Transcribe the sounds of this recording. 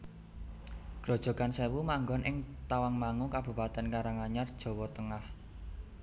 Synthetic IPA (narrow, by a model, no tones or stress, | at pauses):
ɡ̥ɾɔ̤d̥ʒ̥ɔ̤ɡ̥ansewumaŋɡɔnʔɪŋt̪awaŋmaŋukab̥upat̪ɛnkaɾaŋaɲard̥ʒ̥ɔ̤wɔt̪əŋah